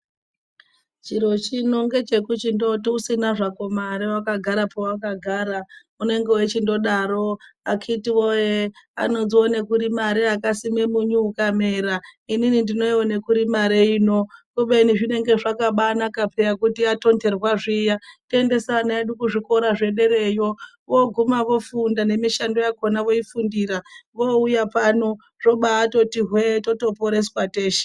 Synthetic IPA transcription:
t͡ʃiɾo̞t͡ʃino̞ŋɡe̞t͡ʃe̞kut͡ʃindo̞tiusinaʐako̞maɾewakaɡʱaɾapowakaɡʱaːɾa | une̞ŋɡe̞wet͡ʃindo̞ɗaɾo̞akʰitiwojea̰no̞zionekuɾimaɾeakasimemuɲuːkame̞raininindino̞iwone̞kuɾimaɾeiːno̞koɓeiniʐine̞ŋɡe̞ʐakaɓanakapejakutiato̞nde̞rwaʐiːjatende̞saːnaeɗukuʐiko̞ɾaʐe̞ɗe̞ɾe̞jo̞ | ʋo̞ɡʱumaʋo̞fundane̞miʃando̞jako̞naʋo̞ifundiɾaʋo̞ujapano̞ | ʐo̞ɓaːto̞tiɦweto̞to̞poɾe̞swateːʃe̥

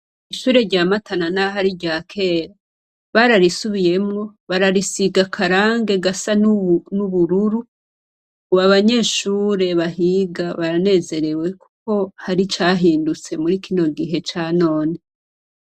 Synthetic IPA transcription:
iʃuːɾe̞ɾɟaːmatananaɦaɾiɟaːkʰe̞ːɾa | βaɾaɾisuβije̞mŋo̞βaɾaɾisiɡakʰaɾaːŋɡe̞ɡasannuβuɾuɾu | kuβaβaɲe̞ːʃuːɾe̞βahiɡaβaɾane̞ːze̞ɾe̞we̞ku̥ko̞haɾit͡ʃaːɦiːndut͡se̞muɾikino̞ɡiɦe̞t͡ʃaːno̞ːne

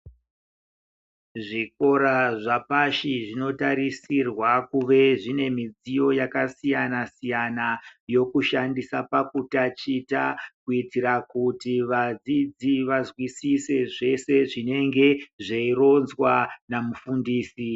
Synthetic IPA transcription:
ʐiko̞ɾaʐapaʃiʐino̞taɾisirwakuʋe̞ʐine̞mid͡zijo̞jakasijanasijanajo̞kuʃandisapakutat͡ʃitakuitiɾakutiʋad͡zid͡ziʋazwisise̞ʐe̞se̞ʐine̞ŋɡe̞ʐeiro̞nzwanamufundiːsi

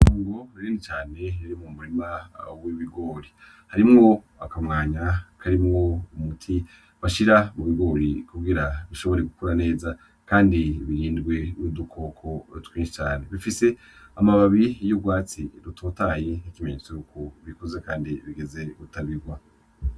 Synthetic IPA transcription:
noaːŋɡo̞ɾaɾiːndit͡ʃaːne̞iɾimumuɾimawiβiɡo̞ːɾi | haɾimŋo̞ | akamŋaːɲakʰaɾimŋo̞umutʰi | βaʃiɾamuβiɡo̞ːɾikuɡiɾaβiʃo̞βo̞ɾeɡukuɾane̞ːza | kaːndiβiɾiːndɡwe̞nidukʰo̞kʰotwiːnʃit͡ʃaːne̞βifise̞ | amaβaβijoɡwaːt͡siɾutʰoːtaːje̞ikimeɲet͡sojukuβikuzekaːndiβiɡe̞ze̞βutaβiɡwa

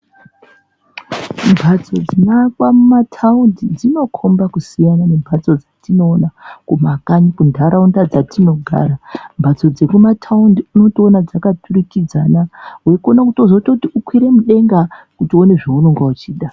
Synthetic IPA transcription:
mbʱat͡so̞d͡zinakwamumatʰaundid͡zino̞kʰo̞mbakusijanane̞mbʱat͡so̞d͡zatino̞ːnakumakanikundʱaɾaundad͡zatino̞ɡʱa̰ɾambʱat͡so̞d͡ze̞kumatʰaundiuno̞toonad͡zakatʰuɾikid͡zanaɦwekonakutozototiukwiɾe̞muɗe̞ŋɡakutio̞ne̞ʐeuroŋɡwaut͡ʃiːɗa

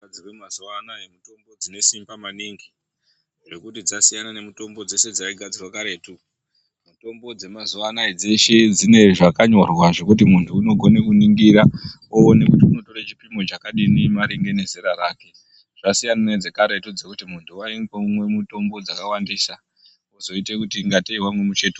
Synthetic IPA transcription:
ad͡zirwemazuanaemuto̞mbo̞d͡zine̞simbamaniŋɡi | ʐe̞kutid͡zasijanane̞muto̞mbo̞d͡ze̞se̞d͡zaiɡʱad͡zirwakaɾe̞tu | muto̞mbo̞d͡ze̞mazuʋanaed͡ze̞ʃe̞d͡zine̞ʐakaɲorwaʐe̞kut̬imuntʰuːno̞ɡʱo̞ne̞kuniŋɡiɾa | oːne̞kutiuno̞to̞ɾat͡ʃi̥pimo̞t͡ʃakaɗinimaɾiŋɡe̞ne̞zeɾarake̞ | ʐ̥asijanane̞d͡ze̞kaɾetud͡ze̞kutimuntʰuwaiɡumwe̞muto̞mbo̞d͡zakawandisa | uzo̞itekutiŋɡateiɦwamwemut͡ʃe̞tu

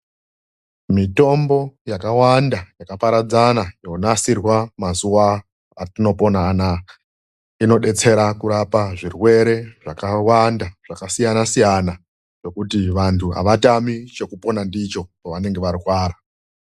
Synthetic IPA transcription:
mito̞mbo̞jakawandajakapaɾad͡zanajo̞nasirwamazuwa | atino̞po̞naːna | ino̞ɗe̞t͡se̞ɾakuɾapaʐirwe̞ɾe̞ʐakawandaʐ̥akasijanasijana | jo̞kutiʋantʰuɦa̰ʋatamit͡ʃe̞kupo̞nandit͡ʃo̞poʋane̞ŋɡe̞ʋaɾikwaːɾa

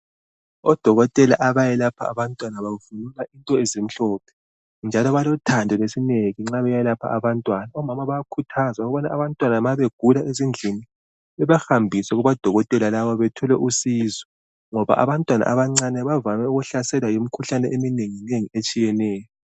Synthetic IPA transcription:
ɔd̥ʱɔɣɔtʼɛla̰ʔaβajɛlapʰa̰a̰βantʼwanaβavunulaintʼɔezim̩ɬɔːpʰɛ̥ | nd͡ʒʱalɔβalɔtʰandʱɔlesineɣiŋ͡ǁaβɛjɛlapʰa̰aβantʼwanaɔmamaβajakʰutʰazaɣuβɔnaaβantʼwanaβaβeɡ̥ʱulaʔezind͡ɮʱini | ɛβaxambʱisɛɣuβad̥ʱɔɣɔtʼɛlalaβɔβɛtʰɔlɛʔusizɔ | ŋɔβa̰ʔa̰βantʼwana̰ʔaβaŋ͡ǀanɛβavamɛuɣuɬasɛlajom̩kʰuɬanɛʔemineŋineŋiet͡ʃʼijɛnɛːjɔ

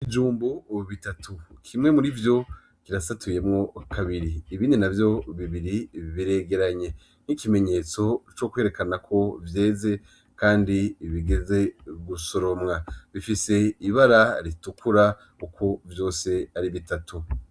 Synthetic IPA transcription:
id͡ʒuːmbuβitatʰukʰimŋe̞muɾivjo̞ | kiɾasatʰuje̞mŋo̞kʰaβiɾiːβiːndinavjo̞βiβiɾiβiɾe̞ɡe̞ɾaɲe̞ | nikime̞ɲe̞t͡so̞t͡ʃo̞kwe̞ːɾe̞kanakʰo̞vje̞ːze̞ | kaːndiβiɡe̞ze̞ɡuso̞ɾo̞mŋaβifise̞iβaɾaɾitukʰuɾa | ukʰovjo̞ːse̞aɾiβitatu

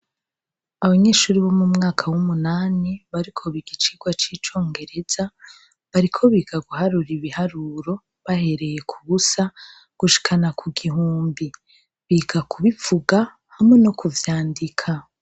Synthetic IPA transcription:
aβaɲe̞ːʃuːɾiβomumŋaːkʰawumunaːniβaɾikʰo̞βiɡit͡ʃiɡwat͡ʃiːt͡ʃo̞ːŋɡe̞ɾe̞z̥a | βaɾikʰo̞βiːɡaɡuhaɾuɾiβihaɾuɾo̞ | βahe̞ɾe̞je̞kʰuβusa | ɡ̥uʃi̥kʰanakʰuɡiɦuːmbi | βiːɡakʰuβifuɡa | hamŋe̞nokuvjaːndikʰa

